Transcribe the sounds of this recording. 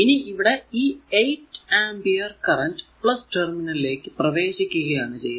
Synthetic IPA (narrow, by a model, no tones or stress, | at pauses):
iniiʋiɽeiːejʈaːmbijɐrkɐrɐnɖpɭɐsʈɐrminɐlile̞ːkːɨprɐʋe̞ːɕikʲːuɣɐjaːɳɨt͡ɕe̞jː